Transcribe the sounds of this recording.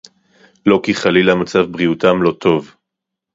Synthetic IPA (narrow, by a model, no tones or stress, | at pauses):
lo̞kiχalilamat͡savbʁiutamlo̞t̪ʰo̞v